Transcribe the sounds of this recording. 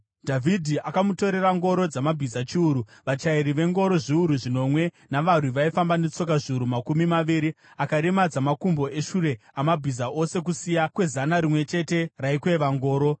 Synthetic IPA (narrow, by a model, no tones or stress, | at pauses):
dʱavʱidʱiakamuto̞ɾe̞raŋɡo̞ɾo̞d͡zamabʱizat͡ʃiuɾuʋat͡ʃaiɾiʋe̞ŋɡo̞ɾo̞ʐiuɾuʐino̞mwe̞ | naʋar̤wiʋaifambanet͡so̞k̬aʐiuɾumakumimaʋiːɾi | akaɾemad͡zamakumbo̞ʔe̞ʃuɾe̞ | amabʱizaʔo̞se̞k̬usijakwe̞zanaɾimwe̞t͡ʃe̞te̞raikwe̞ʋaŋɡo̞ːɾo̞